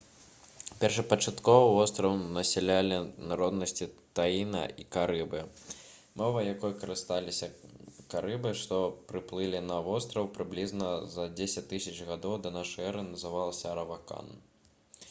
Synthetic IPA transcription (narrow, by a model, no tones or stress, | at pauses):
pʲɛrʂɐpɐt͡ʂat̪kɔvɐvɔst̪ɾɐvɐmnɐsʲɛlʲalʲinaɾɔd̪nɐsʲt͡sʲit̪ajinɐ̰ikaɾɨbɨ | mɔvɐjakɔjɐkɐɾɨst̪alʲisʲɐkaɾɨbɨʂt̪ɔpɾɨplˠɨlʲinɐvɔst̪ɾɐwpɾɨblʲiznɐzɐd͡zʲesʲɐt͡sʲt̪ːɨsʲɐt͡ʂɣad̪ɔwd̪ɐnaʂɛɾɨnɐzɨvalˠɐsʲɐɾɐvaka̰n